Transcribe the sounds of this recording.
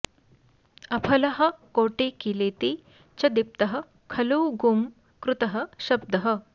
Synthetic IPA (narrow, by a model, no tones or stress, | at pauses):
ɐpʰɐlɐɦɐ̆koːʈeːkileːt̪i | t͡ʃɐd̪ip̚t̪ɐɦɐ | kʰɐluwɡum | kɾut̪ɐɦɐʃɐb̚d̪ɐɦɐ̆